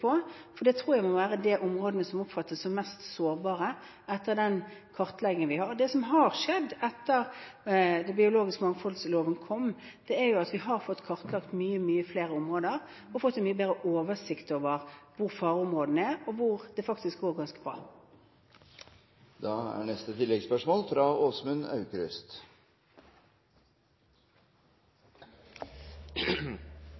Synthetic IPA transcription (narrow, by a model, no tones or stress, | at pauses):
pʰɔfɔd̪ɛt̪ʰɾuːɾjæɪmɔʋæːɾəd̪ɛʔʊmʁoːd̪ənəsɔmʊpfɑt̪ːəssɔmmɛst̪soːɾbɑːɾə | ɛt̪ːəɾd̪ɛnkʰɑʁt̪lɛɡənʋɪhɑɾd̪ɛsɔmɦɑɾʂɛd̪ːɛt̪ːəɾ | d̪ɛbɪʊloːɡɪskmɑŋːfɔlsloːʋənkʰɔmd̪̥ɛɛɾjʊɑt̪ʋɪɦɑɾfɔt̪ːkʰɑʁt̪lɑkt̪myːəmyːəfleːɾəʊmʁoːd̪əʁ | ɔfɔt̪ːɛnmyːəbeːʁəʔoːʋəsɪkt̪oːʋəʁʋʊʁfɑːʁʊmʁoːd̪n̩ɛɔʋʊʁd̪̥ɛfɑkt̪ɪsk̚ɡoːʁɡɑnskəbʁɑ̰ː | d̪ɑːæ̰ɳɛst̪ət̪ʰɪlːɛɡspœʂmoːlfɾɑːoːsmʉnɑ̰ʉkɾʏ̰st̪